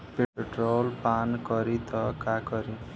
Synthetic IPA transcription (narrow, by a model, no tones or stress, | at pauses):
peʈeʈrolpankʌɾit̪ʌkakʌɾi